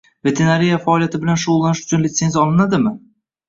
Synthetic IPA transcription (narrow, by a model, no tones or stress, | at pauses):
ve̞t̪ʰe̞naɾijafaɒlijat̪ʰɪbɪlanʃʊʁʊlˠːanɪʃʊ̥t͡ʃʰʊnlʲɪt̪se̞nzʲjaɒlˠɪnad̪ɪmɪ